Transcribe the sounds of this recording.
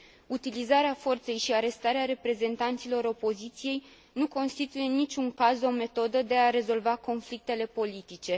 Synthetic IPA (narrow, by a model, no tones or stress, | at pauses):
ut̪ilizaɾeafo̞rt̪se̞jʃiaɾe̞st̪aɾeaɾe̞pɾe̞ze̞nt̪ant̪silo̞ɾo̞po̞zit̪sije̞j | nuko̞nst̪it̪uje̞nit͡ʃʲuŋkazo̞me̞t̪o̞d̪əd̪e̞aɾe̞zo̞lvako̞nflik̚t̪e̞le̞po̞lit̪it͡ʃe̞